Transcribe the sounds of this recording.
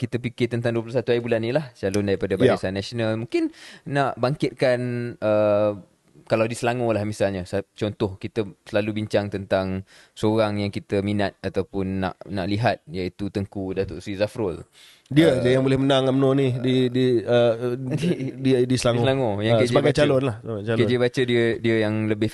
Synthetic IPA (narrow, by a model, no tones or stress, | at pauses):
kit̪əpikɪt̪ənt̪aŋduəplosat̪uaibulanːĩlaht͡ʃalʊndaɾipadabaasanːasonalmũŋkɪnnaʔbaŋkɪt̪̚kanə | kalawdisəlaŋolahmisalɲasat͡ʃɔnt̪ɔhkit̪əsəlalubiɲt͡ʃaŋt̪ənt̪aŋ | səoɾaŋjaŋkit̪əminat̪̚at̪awpʊnːa̰ʔnaʔliɦat̪̚jaʔit̪ut̪əŋkudat̪oʔsizafɾol | diədiəjaŋbolɛhmənaŋamnõnididiə | didisəlaŋlaŋojãŋeəd͡ʒbaɡat͡ʃalonlahsəbaɡat͡ʃalked͡ʒibat͡ʃədiədiəjaŋləbɪh